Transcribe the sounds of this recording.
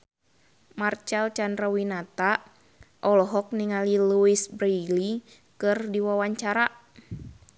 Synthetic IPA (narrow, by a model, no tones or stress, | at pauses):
mart͡ʃalt͡ʃandɾawinat̪a | ʔɔlɔɦɔk̚niŋaliluisbɾeli | kɨrdiwawaɲt͡ʃaɾa